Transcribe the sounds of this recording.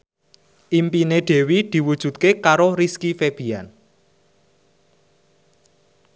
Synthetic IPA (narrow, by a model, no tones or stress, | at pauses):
ʔimpineɖ̪̥e̤wid̪̥i̤wud̥ʒ̥ṳt̪̚kekaɾoɾiskifeb̥i̤an